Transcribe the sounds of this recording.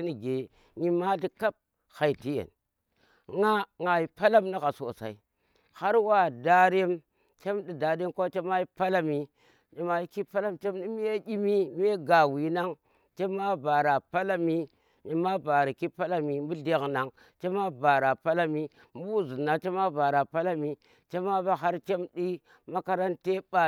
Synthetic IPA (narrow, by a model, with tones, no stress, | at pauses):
i˦ni˨ɡe˨ | ɲi˦ma˦di˦ka˦p̚ | xa˨i˨ti˦jḛ˨n | ŋa˦ŋa˨ji˨pa˦la˦mna˦ka˨so˨sa̰˨i˨˦ | ha˦ɾwa˦˨da˦ɾe˦m | t͡ʃe˦mdi˨da˨ɗe˦mkʷa˦t͡ʃe˦ma˦ji˦pa˦la˦mi˦ | ɲe˦ma˦i˦ki˦pa˦la˦mt͡ʃe˦mni˦mi˦je˦ɡʲi˦mi˦m˦e˦ɡa˨wi˨na˦ŋ | t͡ʃe˦ma˦ba˨ɾa˨pa˦la˦mi˦ | ɲe˦ma˦ba˨ɾi˨ki˦pa˦la˦mi˨m˦bu˦ɮe˦kna˨ŋ | t͡ʃe˦ma˦ba˨ɾa˨pa˦la˦mi˦ | m˦bu˦˨zu˨na˨t͡ʃe˦ma˦ba˨ɾa˨pa˦la˦mi˨ | t͡ʃe˦ma˦ba˦ɦa˦ɾt͡ʃe˦mdi˦ | ma˦ka˦ɾa˦nte˦ba˨